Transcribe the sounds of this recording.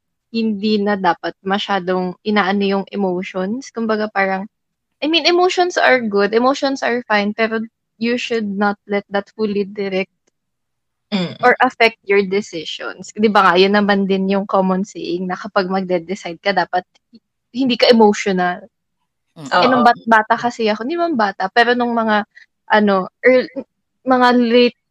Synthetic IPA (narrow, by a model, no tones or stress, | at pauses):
hɪnd̪iːnɐd̪aːpɐt̪̚mɐʃaːd̪oŋʔɪnaːʔɐnojʊŋʔɛmoʃɔnskʊmbɐɡapaːɾɐŋ | ʔɐjmĩnɛmowʃonsɐɹɡʊd̪ɛmowʃɔnsɐɹfajnpɛːɾo | juʃʊd̪̚nɐt̪̚lɛt̪̚d̪ɐt̪fulid̪ɪɾɛk̚t̪̚ | ʔɔɹʔɐfɛk̚t̪̚jɔɹd̪ɪsɪʃo̰nsd̪ɪbɐŋajʊnːɐmand̪ɪnjʊŋkomɔnsḛʔɪŋnɐkɐpaɡ̚mɐɡ̚d̪ɛd̪ɪsajd̪̚kɐd̪aːpɐt̪̚ | hɪnd̪iːkɐʔɛmowʃonɐl | ɛnoŋbabaːt̪ɐkɐsɪɐkond̪ɪmɐnbaːt̪ɐpɛːɾonʊŋmɐŋa | ʔɐno̞ʔɛ | mɐŋalet̪̚